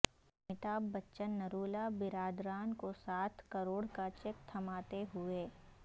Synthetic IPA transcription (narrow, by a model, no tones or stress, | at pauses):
mɪt̪aːbːɐtːʃənːɐɾuːlabɪɾaːd̪ɾaːnkosaːt̪ʰkɐɾoːɽkat͡ʃeːk̚t̪ʰɐmaːt̪eɦʊeː